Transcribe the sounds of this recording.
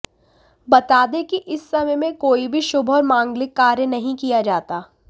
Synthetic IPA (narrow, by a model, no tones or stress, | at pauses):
bɐt̪aːd̪ẽkiʔɪsːɐməjmẽkoːibʱiʃʊbʱɔːɾmãːŋɡlɪkːaːɾjənɐɦĩkijad͡ʒaːt̪aː